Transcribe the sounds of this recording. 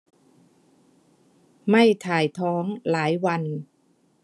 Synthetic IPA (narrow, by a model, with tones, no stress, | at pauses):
ma˥˩jt̪ʰaː˨˩jt̪ʰɔː˦˥ŋlaː˩˦jwa˧n